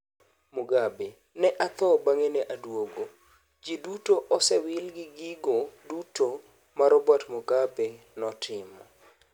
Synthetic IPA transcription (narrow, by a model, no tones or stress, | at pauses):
muɡabe | nɛʔat̪ɔbaŋenɛʔadwoɡo | d͡ʒidutoʔɔsɛwɪlɡɪɡiɡoduto | maɾɔbatmuɡabe | nɔtʰɪmɔ